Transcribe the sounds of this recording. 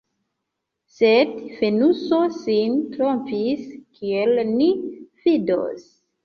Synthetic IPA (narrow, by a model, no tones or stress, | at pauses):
sedfe̞nuso̞sintɾomfiskʰielnifido̰s